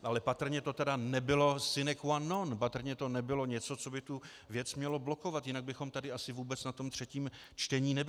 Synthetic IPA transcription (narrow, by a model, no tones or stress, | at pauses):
ʔalɛpat̪r̩ɲɛt̪o̞t̪ɛdanɛbɪlo̞sɪnɛkwanːonpat̪r̩ɲɛt̪o̞nɛbɪlo̞ɲɛt͡so̞t͡so̞bɪt̪u | vjɛt͡smɲɛlo̞blo̞ko̞vat̪jɪnaɡ̚bɪxo̞mt̪adɪasɪvuːbɛt͡snat̪o̞mt̪r̝̥ɛciːm | t͡ʃt̪ɛɲiːnɛbɪ